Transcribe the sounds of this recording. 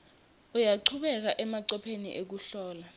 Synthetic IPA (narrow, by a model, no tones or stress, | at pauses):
ujaǃʰuɓɛk̬aʔɛmaǀɔpʰenḭʔek̬uɬɔːla